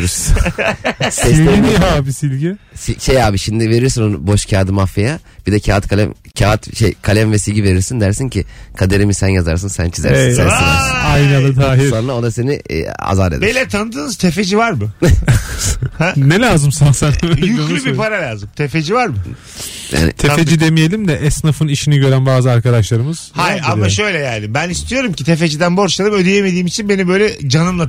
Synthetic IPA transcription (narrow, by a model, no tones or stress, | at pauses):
ɾ | sɛsilʲeiaːbisilʲɟi | siʃejaːbiʃimd̪ive̞ɾiɾsinon̰bo̞ʃcʰaːd̪ɯmafajab̥id̪ɛcʰaːat̪kʰalʲɛ̰mcʰaːat̪ʃejkʰalʲɛmvɛsilʲɟive̞ɾiɾsind̪æɾsincʰikʰad̪eɾimisænjaza̰ɾsɯnsæ̰nt͡ʃʰizæ̰ɾsinsɛ̰nilæ̰ɾsiajnad̪ad̪aːɦionːˠaod̪ase̞nḭa̰zaɾd̪ḛd̪belʲɛt̪ʰanɯd̪ɯːnɯz̥t̪ʰefed͡ʒivaɾmʊ | hɛnɛlʲaːzɯmsansanjylʲybipʰaɾalʲaːzɯmt̪ʰe̞fe̞d͡ʒivaɾmʊ | ja̰ːn̰t̪ʰefed͡ʒd͡ʒid̪e̞mijelʲimd̪ɛʔɛsnafɯniʃiniɟø̞ɾænbaːzɯaɾkad̪aʃlˠaɾɯmɯz̥hajamaʃø̞jlʲɛjæld̪ʲibænist̪ʰijo̞ɾumcit̪ʰefed͡ʒid̪ænbo̞ɾt͡ʃ̪alˠɯmød̪ejeme̞d̪iːmit͡ʃʰinbe̞nibø̞jlʲɛd͡ʒanɯmlˠa